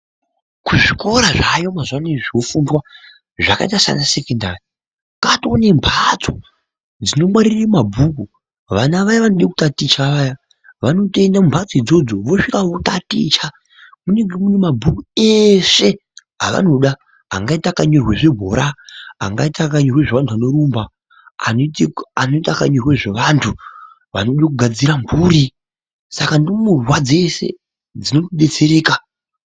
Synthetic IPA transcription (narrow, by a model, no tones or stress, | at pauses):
kuʐiko̞ɾaʐajo̞mazwaneʐiofundwa | ʐaka̰itasa̰nasekendaːri | katone̞mbʰʱat͡so | d͡zino̞mwaɾirrimabʱuk̬u | ʋanaʋajaʋanoɗeku̥tatit͡ʃaʋaːja | ʋano̞toendaumbʱat͡soid͡zo̞d͡zoʋo̞ʂikaʋotatit͡ʃa | muneŋɡemunemabʱukueʂe̞ | ɦa̰ʋa̰no̞ɗa | ɦa̰ŋɡaitakaɲorwe̞ʐebʱo̰ɾaɦa̰ŋɡaitakaɲorweʐeʋantʰuʋano̞ɾuːmba̰ː | nanoitakaɲorwe̞ʐeʋantʰu | ʋa̰noɗakuɡʱad͡ziɾambuːɾi | sakandimurwad͡ze̞sḛ | d͡zino̞tiɗe̞t͡seɾe̞ːka